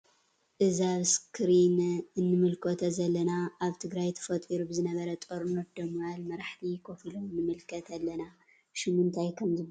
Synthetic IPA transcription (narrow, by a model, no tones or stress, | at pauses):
ʔɨzaβskʰɾinɨnːɨmɨlkʰot̪ʰɐzɐlːɐnaaβt̪ʰɨɡɾajt̪ʰɐ̥fɐt̪ʼiɾubɨzɨnɐβɐɾɐt̪ʼoɾnot̪̚d̪ɐmːɐjalmɐɾaħt̪ʰikʰofiloɨnːɨmɨlkʰɐt̪ʰɐlːɐna | ʃɪmɨnt̪ʰajkʰɐmzɨb